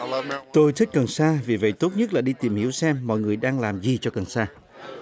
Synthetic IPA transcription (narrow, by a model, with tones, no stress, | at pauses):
t̪o˧jt̪ʰi˦˥k̟̚kə˨˩nsaː˧vi˨˩və̰˧˨jt̪o˦˥t̚ɲə˦˥t̚laː˨˩ɗi˧t̪i˨˩mhi˧˥əwsɛ˧mːɔ̰˧˨jŋɨ˨˩əjɗaː˧ŋlaː˨˩mzi˨˩t͡ɕɔ˧kə˨˩nsaː˧